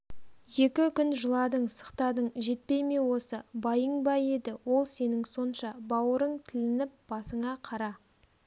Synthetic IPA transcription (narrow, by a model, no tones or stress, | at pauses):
je̞kʲɪkʲʏnʒəlˠɑd̪əɴsə̥qt̪ɑd̪əɴʒe̞t̪̚pe̞jme̞wo̞səbɑjəɴbɑje̞d̪ɪwo̞lˠse̞nɪŋso̞nʃɑbɑwəɾəɴt̪ʰɪlɪnɪp̚b̥ɑsəɴɑqʰɑɾɑ